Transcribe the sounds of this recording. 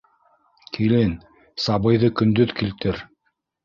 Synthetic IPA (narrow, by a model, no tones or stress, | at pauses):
kʰilɘn | sɑβɤ̆jðɤkɵ̆nd̪ɵðkilt̪ɘɾ